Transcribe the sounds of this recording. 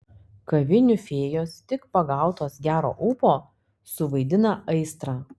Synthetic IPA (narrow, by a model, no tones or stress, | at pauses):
kɐʋʲɪnʲʊfʲeːjoːst̪ʲɪkpɐɡɑˑʊt̪oːsɡʲæːɾo̰ːʔʊːpoː | sʊʋɐɪd̪ʲɪnɐʔɐɪst̪ɾɑː